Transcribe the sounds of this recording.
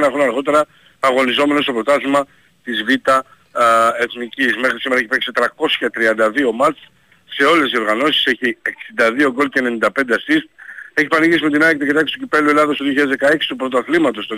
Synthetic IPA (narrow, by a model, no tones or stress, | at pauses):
nɐxunɐɾɣo̞t̪̬e̞ɾɐː | ɣo̞nizo̞me̞no̞st̪o̞pɾo̞t̪ɐsimɐ | t̪izvit̪ɐ | e̞θnicismexɾisime̞ɾɐeçipeksit̪ɾɐko̞sçɐt̪ɾiɐnd̪ɐðio̞mɐt͡s | se̞o̞le̞sio̞ɾɣɐno̞si̥seçieksind̪ɐðio̞ɡo̞lcene̞nind̪ɐpe̞nd̪eɐsist̪̚e̞çipɐniʝisimet̪inɐk̚t̪eket̪ɐkst̪ucipe̞lue̞lɐðost̪oðioçiɐðɐzðekɐe̞ksi̥t̪upɾo̞t̪oɐθlimɐt̪o̞st̪o